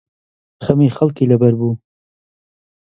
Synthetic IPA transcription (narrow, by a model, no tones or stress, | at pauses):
xɐmiːxɐlkiːlɐbɐɾbuː